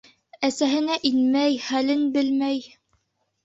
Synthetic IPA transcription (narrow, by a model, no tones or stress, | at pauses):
æsæɦɘ̆næʔinmæjχælɘnbɘlmæj